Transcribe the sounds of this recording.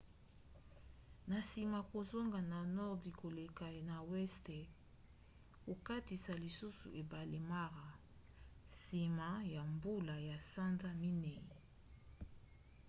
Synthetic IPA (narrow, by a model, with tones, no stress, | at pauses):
na˨si˨ma˨ko˨zo˦ŋɡa˨na˨nɔ˦ʁdi˨ko˨le˨ka˨na˨wɛ˦ste˨ | ko˨ka˦ti˨sa˨li˨su˦sṵ˨ʔe˨ba˨le˨ma˦ʁa˨ | si˨ma˨˦ja˨mbu˦la˨ja˨sa˦nza˦mi˦nɛ˨